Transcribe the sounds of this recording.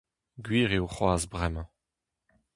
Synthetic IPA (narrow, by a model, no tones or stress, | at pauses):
ɡɥiːʁeoχwaːzbʁɛmɑ̃